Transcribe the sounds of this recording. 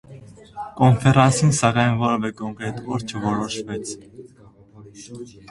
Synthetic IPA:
kɔnfɛɾɑnsinsɑkɑjnvɔɾɛvɛkɔŋkɾɛt̪ɔɾt͡ʃʰəvɔɾɔʃvɛt͡sʰ

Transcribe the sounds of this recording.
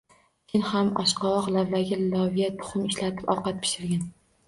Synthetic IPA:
kʲʰɪnhamɒʃqʰɒwɒqlavlaɡʲalɒvijat̪̚bʰʊ̥χʊmɪʃlat̪ʰɪ̥pɒwqɑt̪̚pʰɪ̥ʃɪɾɡʲan

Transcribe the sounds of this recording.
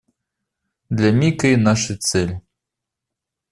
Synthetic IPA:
d̪lʲɐmʲikɐinaʂɨt̪sɛlʲ

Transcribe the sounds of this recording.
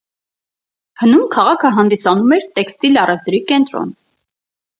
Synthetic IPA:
hʰənumkʰɑʁɑkʰəɦɑnd̪isɑnumɛɾt̪ɛkst̪ilɑrʔɛvt̪ɾikɛnt̪ɾɔ̰n

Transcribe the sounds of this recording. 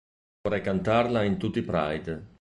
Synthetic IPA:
ɔɾɛjkant̪arlaint̪ut̪ːipɾa̰jd̪

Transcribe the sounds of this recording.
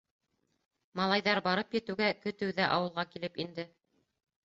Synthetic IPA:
mɑlˠɑjðɑɾbɑɾɤpjɘ̆t̪ɘ̆wɡækɵ̆t̪ɘ̆wðæʔɑwɤ̆lˠʁɑkilɘpind̪ɘ

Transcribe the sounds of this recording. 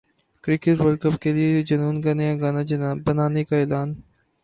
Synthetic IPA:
kɾɪkɪʈʋəlkəpkelied͡ʒɐnuːnkɐnejaɡaːnabɐnaːnekaɛːlaːn

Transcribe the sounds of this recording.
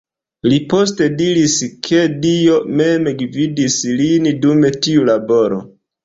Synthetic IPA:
lipo̞s̬te̞diɾiskʰe̞dio̞me̞meɡvidislindume̞tiulabo̞ɾo̞̰

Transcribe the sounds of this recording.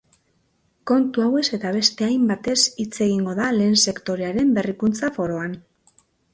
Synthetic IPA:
ko̞nt̪uawe̞se̞t̪aβ̞e̞st̪e̞ajmbat̪e̞sit͡se̞ɣ̞iŋɡo̞ðale̞ːnse̞kt̪o̞ɾe̞aɾe̞mbe̞rikunt͡safo̞ɾo̞an

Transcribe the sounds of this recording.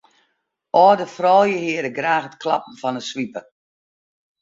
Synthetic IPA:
ʔɔːdəfrɔːjəhɪːəɾəɡraːxətklɑpn̩fɔnəsʋipə

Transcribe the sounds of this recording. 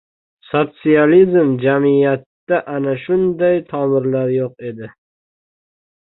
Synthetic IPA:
sot̪sijalizmd͡ʒamɪjat̪ːaʔanaʃʊnd̪ajt̪ʰɒmɪɾlaɾjoqe̞d̪ɪ

